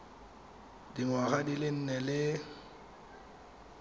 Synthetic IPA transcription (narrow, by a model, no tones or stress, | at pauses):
diŋwaɣadilɪn̩nɛlɪ